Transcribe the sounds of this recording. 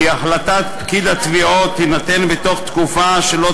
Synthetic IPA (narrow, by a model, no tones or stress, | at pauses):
aχlat̪at̪pkid̪at̪viot̪hinat̪enbet̪o̞χt̪kufaʃelo